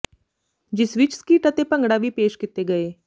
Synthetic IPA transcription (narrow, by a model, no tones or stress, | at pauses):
d͡ʒɪsʋɪt͡ʃskiːʈət̪epə̃ŋɡɽaʋipeːʃkɪt̪ːeɡɐeː